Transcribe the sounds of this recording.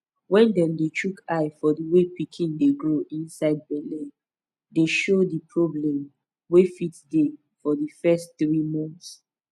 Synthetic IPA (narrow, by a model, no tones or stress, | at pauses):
wɛ̃ndɛ̃ndet͡ʃʰukʰaɪfɔdiwepikʰĩndeɡɹoʔĩnsaɪd̚bɛlĩ | deʃodipʰɹɔblɛ̃m | wefitde | fɔdifɛstθɹimɔ̃nθs